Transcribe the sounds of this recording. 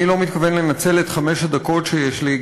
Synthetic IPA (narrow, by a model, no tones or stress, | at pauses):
ilo̞mit̪kave̞nlenat͡se̞let̪χame̞ʃhad̪ako̞tʃejeʃli